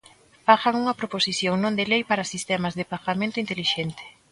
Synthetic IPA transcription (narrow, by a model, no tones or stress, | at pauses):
faʃaŋuŋɐpɾoposiθjoŋnõnd̪elejpaɾɐsist̪ɛmɐzðepaɣamẽnt̪ʊint̪eliʃent̪ɪ̥